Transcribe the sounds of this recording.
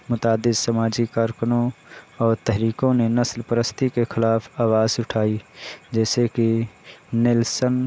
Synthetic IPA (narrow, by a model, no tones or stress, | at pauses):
mʊt̪aːd̪ɪd̪səmaːd͡ʒikaːɾkənõɔːɾt̪ɛɦɾiːkõnenəslpɾəst̪ikexɪlaːpʰaːwaːzʊʈʰaːid͡ʒɛːseki | nɪlsən